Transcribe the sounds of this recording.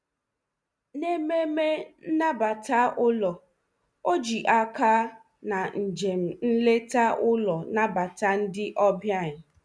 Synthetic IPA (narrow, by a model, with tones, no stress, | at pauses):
ne˦me˦me˦na˦ba˨ta˦ʔʊ˦lɔ˨ | o˦d͡ʒi˨ʔa˦ka˦ | na˨n̩˨d͡ʒe˨m̩˨n̩˦le˦ta˦ʔʊ˦lɔ˨na˦ba˨ta˦n̩˦dɪ˦ʔɔ˦bja˦˨ɲɪ˨